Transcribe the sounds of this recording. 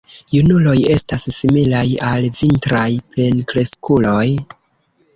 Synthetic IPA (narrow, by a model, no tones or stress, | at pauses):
junulo̞je̞stasːimilajalvintɾajple̞nkle̞skulo̞j